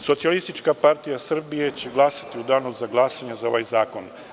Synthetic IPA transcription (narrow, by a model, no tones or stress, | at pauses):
so̞t̪sialist̪it͡ʃkapaɾt̪ijasr̩bije̞t͡ɕeɡlˠasḁt̪iud̪anuzaɡlˠasaɲezao̞ʋajzaːko̞n